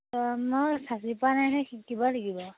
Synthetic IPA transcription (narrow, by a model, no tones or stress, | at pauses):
ɔmɔsasipanajnɛxikːibalaɡibɔ